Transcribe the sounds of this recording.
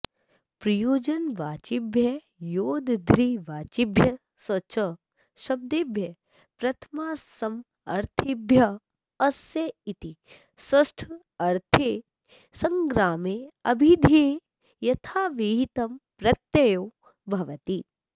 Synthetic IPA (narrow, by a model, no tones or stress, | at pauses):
pɾɐjoːd͡ʒɐnʋaːt͡ʃɪbʱjɐ | joːd̪d̪ʱɾiʋaːt͡ʃibʱjɐ | sɐt͡ʃɐ | ʃɐb̚d̪ebʱjɐ | pɾɐt̪ʰmaːsɐm | ɐ̰ɾt̪ʰibjɐ | ɐsjɐit̪i | sɐsʈʰ | ɐɾt̪ʰe | sɐ̃ŋɡɾaːmeɐbʱid̪ʱe | jɐt̪ʰaːʋiɦit̪ɐmpɾɐt̪ːjɐjoː | bʱɐʋɐt̪i